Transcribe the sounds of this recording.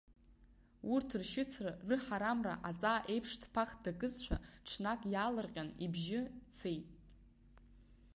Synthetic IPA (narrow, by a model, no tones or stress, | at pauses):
urtʰrʃɪt͡sʰrarɨħaɾamra̰ʔat͡sʼaːʔe̞jpʰʂtʰpʰaχdakʼɨzʃʷᶣʰa̰ʈ͡ʂʰnakʼjaːlɨrqʲʼanibʒɪt͡sʰejtʼ